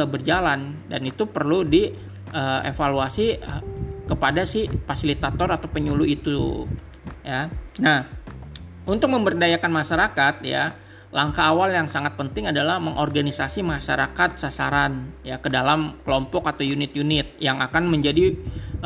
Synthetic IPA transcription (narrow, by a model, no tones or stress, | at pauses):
abərd͡ʒalandanit̪upərludi | ʔəḛfaluasi | kəpadasɪhfasilit̪at̪ɔɾat̪awpəɲuluit̪u | janah | unt̪ʊk̚məmbərdajakanmaʃaɾakat̪̚ja̰ | laŋkaːwaljaŋsaŋat̪̚pənt̪ɪŋadalahməŋʔɔrɡanisasimaʃa̰ɾakat̪̚sasaɾanjakədalamkəlɔmpɔkat̪awjunɪt̪̚junɪt̪̚jaŋakanməɲd͡ʒadi